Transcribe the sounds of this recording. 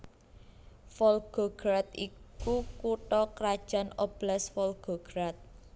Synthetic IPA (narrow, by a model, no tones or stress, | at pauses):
fɔlɡ̥oɡ̥ɾat̪̚ikukuʈɔkɾad̥ʒ̥a̤nɔb̥lasfɔlɡ̥oɡ̥ɾat̪̚